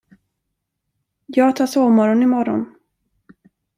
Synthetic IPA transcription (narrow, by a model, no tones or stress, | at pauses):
jɑːɡt̪ʰɑːsoːmɔɾɔnɪmɔɾɔ̰n